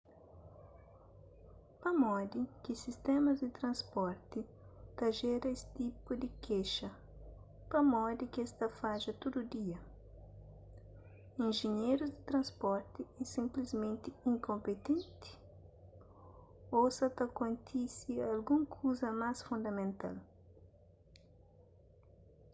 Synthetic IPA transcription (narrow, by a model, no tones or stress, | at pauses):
pɐmɔd̪ikɪsist̪ɛmɐzd̪ɪt̪ɾɐ̃nspɔɾt̪i | t̪ɐʒɛɾɐesi̥t̪ipʊd̪ɪkeʃɐ | pɐmɔd̪ikɛst̪ɐfaʒɐt̪od̪ud̪iɐ | ĩnʒeɲejɾuzd̪ɪt̪ɾɐ̃nspɔɾt̪iɛsĩmplizmẽnt̪ɪĩŋkõmpet̪ẽnt̪ɪ̥ | osɐt̪ɐkõnt̪ʰisialɡũŋkʰuzɐmasfũnd̪ɐmẽnt̪a̰l